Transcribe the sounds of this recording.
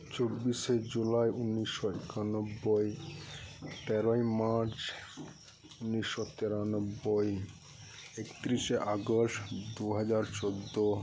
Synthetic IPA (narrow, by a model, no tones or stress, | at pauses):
t͡ɕobːiʃed͡ʑulaeunːiʃːoekʰanobːoe | t̪ɛɾojmaɾt͡ɕ | unːiʃːot̪eɾanobːoj | ekt̪ɾiʃeʔaɡoʃʈd̪uɦad͡ʑaɾt͡ɕod̪ːo